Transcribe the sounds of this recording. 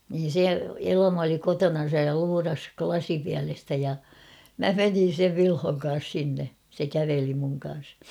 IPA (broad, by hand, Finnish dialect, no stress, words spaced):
niːn se elɑmɑ oli kotonɑn̞sɑj jɑ luːrɑs klɑsipiælestæ jɑ mæ menin̞ seʋ ʋilhoŋ kɑːs sinːe se kæʋeli muŋ kɑ̃ːs